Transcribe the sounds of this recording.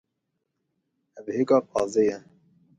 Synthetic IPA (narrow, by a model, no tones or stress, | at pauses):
ɛbheːkɑːpʰɑːzejɛ